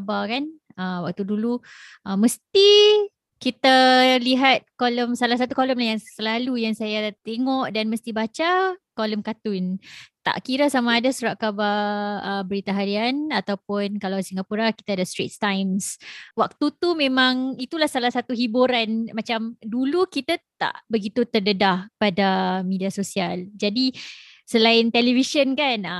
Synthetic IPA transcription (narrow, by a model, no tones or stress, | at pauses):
abakan | əwak̚t̪udulu | ʔəməst̪i | kit̪aliɦat̪̚koləmsalahs̬at̪ukoləmlaɦjaŋsəlalujaŋsajat̪eŋɔʔdanməst̪ibat͡ʃakoləmkat̪unt̪a̰ʔkiɾasamaːdasuɾaʔkabaəbəɾit̪aɦadianat̪awp̚ʊnkalawsiŋɡapuɾaki̥t̪adast̪ɾḭt̪̚t̪ajmswak̚t̪ut̪umẽmãŋit̪ulahsalahsat̪uɦibuɾanmat͡ʃamdulukit̪at̪a̰ʔbəɡit̪ut̪ərdədahpadamidiasosiald͡ʒadi | səlaɪnt̪elivisənkan